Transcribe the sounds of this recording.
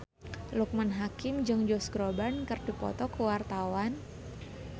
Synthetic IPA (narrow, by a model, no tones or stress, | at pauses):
luk̚manɦakɪmd͡ʒɨŋd͡ʒɔsɡɾobankərdipɔ̰t̪ɔkəwart̪awan